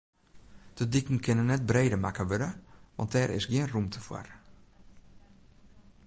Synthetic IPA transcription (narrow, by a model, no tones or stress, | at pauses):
d̥ədikn̩kʰɪnənːɛt̚breːdəmakəʋøɾəʋɑ̰nt̚dɛɾʔɪ̰sɡiənrumtʰəfwa̰r